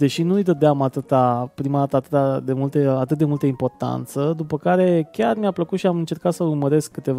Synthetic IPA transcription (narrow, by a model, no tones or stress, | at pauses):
d̪e̞ʃinujd̪əd̪eamat̪ɨt̪apɾimad̪at̪əat̪ɨt̪ad̪e̞mult̪əat̪ɨt̪̚d̪e̞mult̪əimpo̞rt̪a̰nt̪səd̪upəkaɾe̞kʲarmiapləkut̪ʃiamɨnt͡ʃe̞rkat̪səurməɾe̞skːɨt̪e̞v